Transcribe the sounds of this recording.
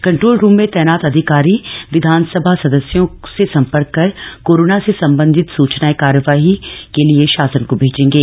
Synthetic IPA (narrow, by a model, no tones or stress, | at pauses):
kɐ̃ɳʈɾoːlɾuːmːẽt̪ɛːnaːt̪ɐd̪ʱɪkaːɾiʋɪd̪ʱaːnsəbʱasɐd̪əsjõsesɐ̃mpəɾkːɐɾkoːɾoːnasesɐ̃mbə̃nd̪ʱɪt̪suːt͡ʃnaːekaːɾjəʋaːɦikelieʃaːsənkobʱeːd͡ʒẽːŋɡeː